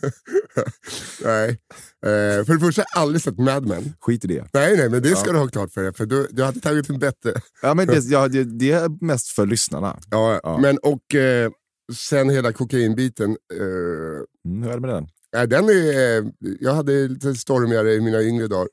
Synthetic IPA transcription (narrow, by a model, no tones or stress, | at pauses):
nɛɪ | fœɖɛfœʂʈaʔald̪ɾɪsɛt̪ːmæd̪mɛ̰nːɧiːt̪ɪɖɛ̰nɛɪnɛɪmɛnd̪ɛsskad̪ɵhɑːkʰlɑːʈfœɖɛfœd̪ɔd̪ɵhad̪ːət̪ʰɑːɡɪt̪ɛnbɛt̪ːɾə | ɑːmɛnd̪ɛjɑːɡad̪jd̪ɛmɛst̪fœɭʏsna̰ɳa̰ɑ̰ːmɛnɔk | sɛnheːlakʰʊkainbiːt̪ən | hɾæːɖɛmɛd̪d̪ɛ̰n | næɪd̪ɛnæ | jɑːɡhad̪ːəliːt̪əst̪ɔɾmɪaɾəɪmiːnaʏŋɾəd̪ɑːɾ